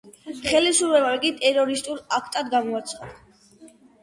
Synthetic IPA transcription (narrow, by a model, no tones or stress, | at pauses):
χɛlisuɾvɛvaɾɡit̪ʼɛɾɔɾist̪ʼuɾakʰt̪ʼad̪ɡamɔat̪sʰχad̪̥a